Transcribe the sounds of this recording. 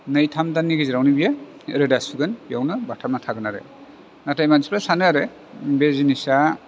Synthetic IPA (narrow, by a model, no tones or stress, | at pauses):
nɯjtʰamdanːiɡiziɾawnibija | ɾedasuɡɯnbijawnɯbatʰanatʰaɡɯnaɾḛ | natajmanzipʰɾasanɯaɾe | bezinisa